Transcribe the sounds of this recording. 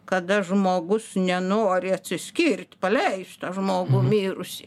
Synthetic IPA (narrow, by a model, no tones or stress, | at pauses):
kɐd̪ɐʒmoːɡʊsnʲɛnoːɾʲɪɐt̪ʲsʲɪsʲkʲirʲt̪ʲpɐlʲɛɪst̪ɐʒmoːɡʊmʲiːɾʊsʲɪ